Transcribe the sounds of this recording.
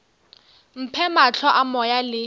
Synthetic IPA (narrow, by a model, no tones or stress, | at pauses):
m̩pʰɛmat͡ɬʰɔʔamɔjalɪ